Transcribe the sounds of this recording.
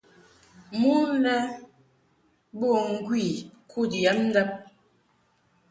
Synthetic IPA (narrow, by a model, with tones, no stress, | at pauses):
mu˦nɛ˦ | bo˦˨ŋ̩˦ɡwi˦˨kʰu˦˨dɛ˨˦n̩˦dɛ˦p̚